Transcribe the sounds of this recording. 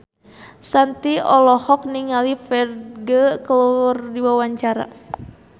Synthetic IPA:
sant̪iɔlɔhɔk̚niŋalifɛrɡəkəlurdiwawaɲt͡ʃaɾa̰

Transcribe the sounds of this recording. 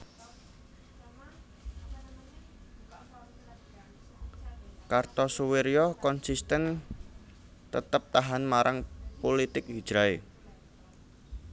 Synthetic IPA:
kart̪ɔsuweɾjɔkɔnsist̪ən | t̪ət̪əp̚t̪aɦanmaɾʔaŋpolit̪ɪk̚ɦid̥d͡ʒ̥ɾae

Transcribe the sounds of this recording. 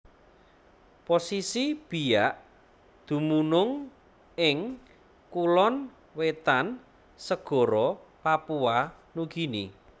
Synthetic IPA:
posisib̥i̤jaʔ | d̪̥ṳmunʊŋ | ɪŋ | kulɔn | wet̪an | səɡ̥ɔ̤ɾɔpapua | nuɡ̥i̤nḭ

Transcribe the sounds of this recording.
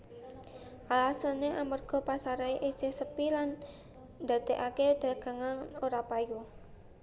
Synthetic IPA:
ʔalasəneʔamərɡ̥ɔ̤pasaɾaeʔisehsəpilan | d̪̥ä̤t̪eʔaked̪̥ä̤ɡ̥ä̤ŋanoɾapaju

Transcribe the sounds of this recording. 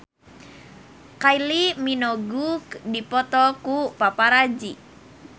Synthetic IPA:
kailiminɔɡukdipɔt̪ɔkupapaɾad͡ʒi

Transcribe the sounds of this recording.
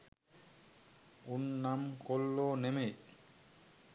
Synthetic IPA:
unːamkolːoːneme

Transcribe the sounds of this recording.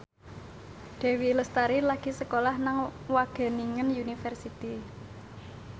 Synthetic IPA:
ɖ̪̥ɛ̤wiləst̪aɾilaɡ̥i̤səkolahnaŋwaɡ̥a̤niŋənjunifɛrsit̪i

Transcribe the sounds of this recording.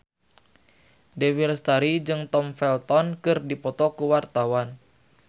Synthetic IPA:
dewilst̪aɾid͡ʒɨŋt̪ɔmfɛlt̪ɔnkɨrdipɔt̪ɔkuwart̪awan

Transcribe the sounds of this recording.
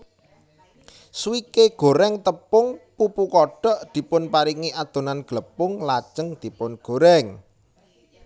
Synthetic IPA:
swikeɡ̥o̤ɾɛŋt̪əpʊŋpupukɔɖ̥ɔ̤ʔd̪̥i̤pʊnpaɾiŋiʔad̪̥o̤nanɡ̥ləpʊŋlat͡ʃəŋd̪̥i̤pʊnɡ̥o̤ɾɛŋ

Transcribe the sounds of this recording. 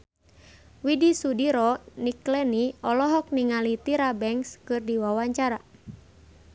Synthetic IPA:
widisudiɾɔniklɛniɔlɔɦɔk̚niŋalit̪iɾabɛŋskɨrdiwawaɲt͡ʃaɾa

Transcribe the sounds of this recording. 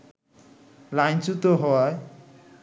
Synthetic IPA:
lajnt͡ʃut̪oɦɔj

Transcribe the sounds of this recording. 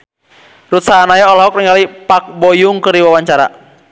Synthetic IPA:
rut̪saɦanajaɔlɔɦɔk̚ɾiŋɡalipak̚bɔjuŋkɨɾiwawaɲt͡ʃaɾa̰

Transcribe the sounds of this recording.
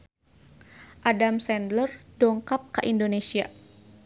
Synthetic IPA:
ʔadamsɛndlərdɔŋkap̚kəʔindonesia

